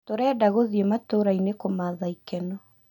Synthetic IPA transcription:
toɾɛːdaɣoðjematoɾainekomaðaikɛnɔ

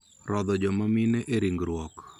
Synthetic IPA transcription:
rɔd̪ɔd͡ʒɔmamɪnɛʔeɾiŋɡɾwɔk

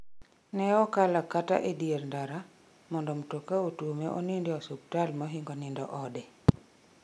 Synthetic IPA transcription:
nɛɔkalakata̰ʔedierndaɾa | mɔndɔmtokaotuomeʔɔ̰nindɪɔsuk̚talmɔɦɪŋɡɔnɪndɔʔɔdɛ

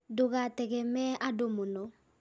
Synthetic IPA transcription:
doɣatɛɣɛmɛʔadomonɔ

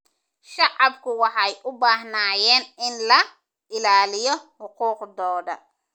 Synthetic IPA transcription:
ʃɑʕɑbkʰʊwɑħɑjʔʊbaːɦnaːjɛːnɪnlɐ | ɪlaːlɪjɔhʊquːqd̪ɔːdɐ̰

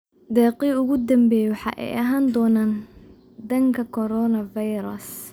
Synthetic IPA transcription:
d̪ɛːqiʊɣʊd̪ɐmbɛːjwɑħɑ̰ʔɛ̰jʔɐɦaːnd̪ɔːnaːn | d̪ɐŋkʰɐkʰɔɾɔːnɐvajɾɐs

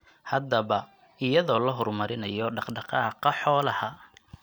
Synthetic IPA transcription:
hɐd̪ɐβɐ | ɪjɐðɔːlɐɦɔrmɐɾɪnɐjɔɖɑqɖɑqɑːqɑħɔːlɐhɐ

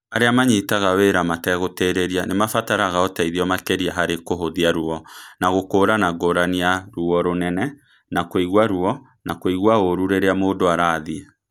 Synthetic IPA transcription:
aɾeamaɲitaɣaweːɾamatɛɣoteːɾeɾianemafataɾaɣaɔtaiðiɔmakɛɾiaɦaɾekoɦoðiaɾuɔnaɣokoːɾanaɡoɾaniaɾuɔɾonɛnɛ | nakoiɣwaɾuɔ | nakoiɣwaoɾuɾeɾeamoːndoaɾaːðia

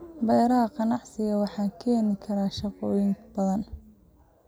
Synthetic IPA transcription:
bɛjɾɐɦɐqɑnɑʕsɪɣɐwɑħɑːkʰɛːnɪkʰɐɾaːʃɑqɔːjɪŋb̥ɐðɐn

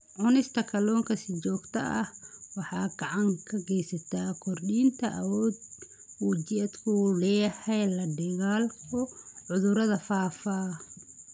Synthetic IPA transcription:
ʕʊnɪst̪ʰɐkʰɐlɔːŋkʰɐsɪt͡ʃɔːɡt̪ʰɐʔɐhwɑħɑːɡɐʕɑŋkʰɐɡɛjsɐt̪ʰaːkʰɔrɗiːnt̪ʰɐʔɐ̰wɔːd̪ | uːd͡ʒɪɐd̪kʰʊlɛːjɐhɛjlɐɖɛɣaːlkʰɔʕʊðʊɾɐðɐfaːfaː

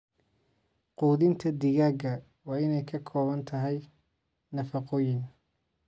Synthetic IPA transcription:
quːðɪnt̪ʰɐd̪ɪɣaːɡɐ | wɑːɪnɛjkʰɐkʰɔːβɐnt̪ʰɐɦɛj | nɐfɑqɔːjɪn

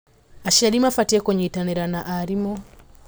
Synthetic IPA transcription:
aʃalimafatiɛkɔɲitanɛɾanaʔaɾimɔ

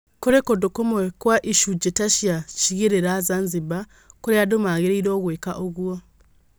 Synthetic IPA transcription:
koɾekodokomwekwaʔiʃuɟetaʃjaciɣeɾeɾazanziba | koɾeadomaɣeɾeiɾoːɣwekaʔoɣwo

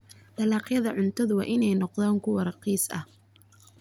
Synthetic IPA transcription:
d̪ɐlɑːqjɐðɐʕʊnt̪ʰɐðʊwɑ̰ːʔɪnɛjnɔqðaːŋkʰʊwɑɾɐqiːsɐ̰h

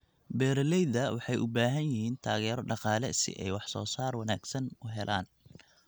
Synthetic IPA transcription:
bɛːɾɛlɛjðɐwɑħɑjʔʊbaːɦɐnjɪhiːnt̪ʰaːɣɛːɾɔɖɑqɑːlɛ̰sɪ̰ʔɛjwɑħsɔ̰ːsaːrwɑnaːɡsɐnʊɦɛlʔa̰ːn

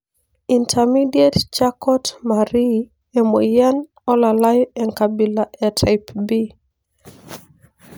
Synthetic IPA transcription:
intʰamidiett͡ʃakɔtmaɾi | emojan | ɔlalajɔɛŋkabilaʔɛtʰajpbi

